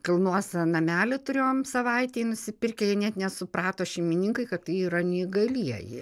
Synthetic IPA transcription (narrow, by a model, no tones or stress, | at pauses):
kɐlˠnuɔsʲɐnɐmʲæːlʲɪt̪ʊɾʲeioːmsɐʋɐɪt̪ʲeːnʊsʲɪpʲɪrʲkʲɛjɛnʲɛt̪nʲɛsʊpɾɑːt̪oːʃʲɛɪmʲɪnʲɪŋkɐɪkɐttɐɪiɾɐnʲɪiɡɐlʲiɛjɪ̰